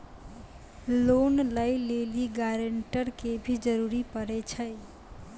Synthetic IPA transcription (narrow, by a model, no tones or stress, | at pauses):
lonlajleliɡaɾəɳʈəɾkebʱid͡ʒəɾuɾipəɾɛt͡ʃʰə